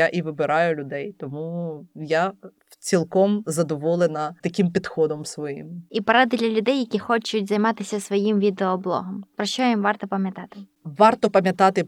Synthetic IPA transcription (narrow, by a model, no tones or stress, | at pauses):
aʔiʋɪbɪɾɑjʊlʲʊd̪ɛjt̪ɔmuja | t͡sʲilˠkɔmzɐd̪ɔʋɔlˠenɐt̪ɐkʲimpʲid̪xɔd̪ɔmsʋɔjḭmipɐɾad̪ɪd̪lʲɐlʲʊd̪ɛjːɐkʲixɔt͡ʃʊt̚ʲzɐjmɑt̪ɪsʲɐsʋɔjimʋʲid̪eɔblˠɔ̰ɦɐmpɾɔʃt͡ʃɔimʋɑrt̪ɔpɐmʲjɐt̪ɑt̪ɪ | ʋɑrt̪ɔpɐmʲjɐt̪ɑt̪ɪ